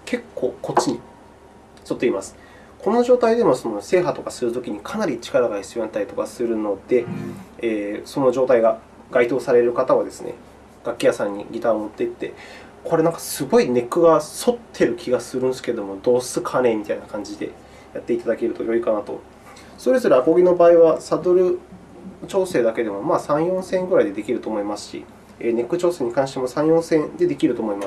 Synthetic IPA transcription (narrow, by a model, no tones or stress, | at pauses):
kʰe̞kʰːo̞ːkʰo̞t͡ɕiɲ̟i | so̞t̪ːe̞imasɨ̥ | kʰo̞no̞ʑo̞ːt̪aid̪e̞moso̞no̞se̞ːɦat̪o̞kasɨɾɯ̟t̪o̞kʲiɲ̟ikʰanaɾʲit͡ɕi̥kaɾaɡaçi̥t͡sɨjoãnt̪ait̪o̞kasɨɾɯ̟no̞d̪̥e̞ː | so̞no̞ʑo̞ːt̪aiɡa | ɡ̥ait̪o̞ːsaɾe̞ɾɯ̟kat̪aβad̪e̞sɨ̰nḛ | ɡ̥akʲːijasãɲ̟ːḭɡʲit̪aomot̪ːe̞t̪ːe̞ | kʰo̞ɾe̞nãŋkḁsɨɡo̞ine̞kɯ̟ɡaso̞t̪ʰːe̞ɾɯ̟kʲʰiɡasɨɾɯ̟̃nsɨ̥ke̞d̪o̞mo̞d̪o̞ːsɨkʰane̞mʲit̪ainakʰãɲ̟d͡ʑid̪e̞̰ | jat̪ːe̞it̪ad̪ake̞ɾɯ̟t̪o̞jo̞ikanat̪o̞̰ | so̞ɾe̞zo̞ɾɯ̟ako̞ɡʲino̞baːiβasad̪oɾɯ̟ | t͡ɕo̞ːse̞ːd̪ake̞d̪e̞mo̞maːsãɰ̃jõ̞sẽ̞ŋɡɯ̟ɾaid̪e̞d̪e̞kʲiɾɯ̟t̪o̞ːmo̞imasɨ̥ɕḭ | ene̞kːɯ̟t͡ɕo̞ːse̞ːɲ̟ikãɕi̥t̪emo̞sãɰ̃jõ̞ɰ̃sẽ̞nd̪e̞d̪e̞kʲiɾɯ̟t̪oːmo̞imas